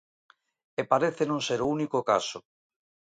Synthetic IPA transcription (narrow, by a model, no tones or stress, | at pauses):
epaɾeθenõŋseɾounikoka̰so